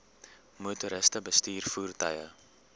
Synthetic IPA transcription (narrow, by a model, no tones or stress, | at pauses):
mutuɾəstəbəstiːrfuːrtəjə̰